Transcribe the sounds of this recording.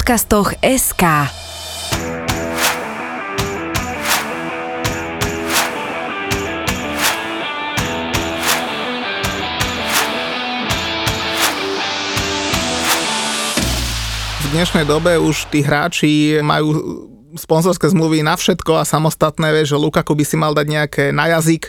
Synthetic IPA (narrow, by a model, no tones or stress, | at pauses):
kast̪ɔxɛskaː | vd̪ɲɛʃnɛjd̪ɔbɛuʃt̪iːɦɾa̰ːt͡ʃima̰juː | spɔnzɔɾskɛːzmluʋinafʃɛt̪kɔasamɔst̪at̪nɛːʋɛʒɛlukakubisimald̪aɟɲɛakʰɛːnajazik